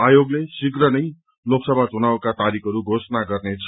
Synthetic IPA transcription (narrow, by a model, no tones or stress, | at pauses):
ajoɡlesikrʌnʌj | loksʌbʱat͡sunawkat̪aɾikʰʌɾuɡʱosʌnaɡʌrnet͡sʰ